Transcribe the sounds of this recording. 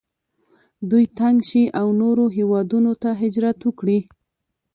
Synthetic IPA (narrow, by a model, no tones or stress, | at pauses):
d̪ujt̪aŋɡʃiʔawnoɾoɦewɑd̪unot̪aɦɪd͡ʒɾat̪wəkɽi